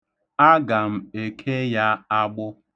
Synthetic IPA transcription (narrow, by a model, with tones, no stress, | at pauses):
a˦ɡa˨m̩˨e˨kʰe˦ja˦a˦ɡ͡bʊ˦